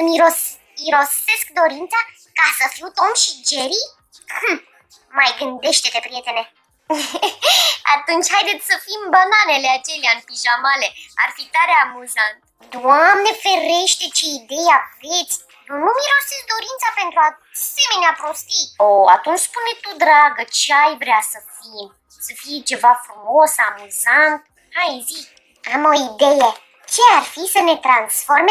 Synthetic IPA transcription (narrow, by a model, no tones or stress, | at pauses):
ɨmiɾos | iɾo̞se̞skd̪o̞ɾint̪sa | kasəfiwut̪o̞mʃid͡ʒeɾi | majɡɨnd̪e̞ʃt̪e̞p̪e̞pɾije̞t̪e̞ne̞ | a̰t̪unt͡ʃʲhajd̪e̞t̪sʲsəfimbananeleat͡ʃe̞leaɨnpiʒamale̞arfit̪aɾeamuzant̪ | d̪amne̞fe̞ɾe̞ʃt̪e̞t͡ʃeid̪e̞javet̪sʲ | nunumiɾo̞sezd̪o̞ɾint̪sape̞nt̪ɾua | se̞me̞neapɾo̞st̪ioa̰t̪unt͡ʃspunet̪ud̪ɾaɡət͡ʃeajvɾeasəfim | səfijet͡ʃe̞vafɾumo̞samuzant̪̚ | hajzik | amo̞id̪e̞je | t͡ʃe̞arfisəne̞t̪ɾansfo̞rme